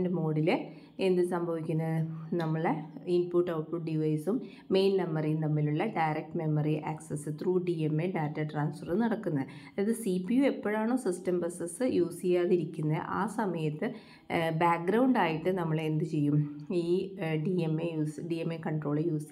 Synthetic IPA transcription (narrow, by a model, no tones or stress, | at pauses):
ndemo̞ːɽile | e̞nd̪ɨsɐmbʱɐʋikʲːunːɐðɨnɐmːɐɭinpuʈːɐwʈpuɖɖiʋɐjsumː | e̞jnnɐmːɐrint̪ɐmːiluɭːɐɖɐjɾek̚ʈme̞mːɐriʔɐksɐsɨt̪ruːɖiemːeɖaːtːɐʈraːnsfɐrɨnɐɽɐkːunːɐðɨɐðɨsipːiue̞pːɐɻaːɳo̞ːsistɐmbɐsɐsɨjuːsijaːðiɾikʲːunːɐðɨ̰ʔa̰ːsɐmɐjɐt̪ːɨ | baːk̚ɡɾɐwɳɖaːjiʈːɨnɐmːɐɭe̞nd̪ɨt͡ɕe̞jːumiːɖiemejuːsɖiemːekɐɳɖro̞ːɭɨjuːs